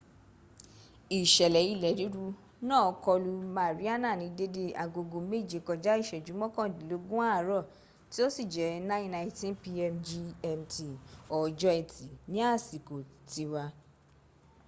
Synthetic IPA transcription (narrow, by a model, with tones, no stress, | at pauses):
i˨ʃɛ˨lɛ˨˦i˦˨lɛ˨ɾi˨˦ɾu˧˦ | nãː˦˨ɔ˧˦kɔ˧lu˧mãː˨˦˨ɾi˨˦a˦nã˦˨nĩ˨˦de˦de˧a˨ɡo˧ɡo˧me˦˨d͡ʒi˨kɔ˧d͡ʒa˨˦i˦˨ʃɛ˨d͡ʒu˨˦mɔ̃˦kɔ̃˦˨di˨˦lo˨˦ɡũ˦a˦˨ɾɔ˦˨ | ti˦o˦si˦˨d͡ʒɛ˨˦nã˦ĩ˦nã˧˨ĩ˧tĩ˦npi˧ɛ˧md͡ʒi˧ɛ˧mti˧ɔ˨d͡ʒɔ˧˦ɛ˧˨ti˨nĩ˨˦a˦˨si˨ko˨ti˨˧wa˧